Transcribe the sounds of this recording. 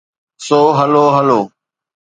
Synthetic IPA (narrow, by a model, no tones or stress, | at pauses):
soːɦəloːɦəloː